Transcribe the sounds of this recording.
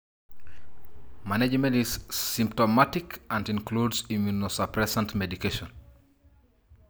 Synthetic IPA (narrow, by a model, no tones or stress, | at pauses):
maned͡ʒmɛ̃ntiz̥sĩmptɔmatikãndĩnkludsimjunosapɾɛsãntmɛdikeʃɔ̃n